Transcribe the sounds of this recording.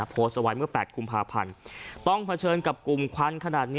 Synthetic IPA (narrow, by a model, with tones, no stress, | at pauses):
pʰoː˧˦t̪̚sa˧wa˧jmɯ˥˩ɐpɛː˨˩t̪̚kʰu˧mpʰaː˧pʰa̰˧nt̪ɔ˥˩ŋpʰa˧t͡ɕʰɤː˧nka˨˩p̚ku˨˩mkʰa˧˥nkʰa˧naː˨˩t̪̚ni˦˥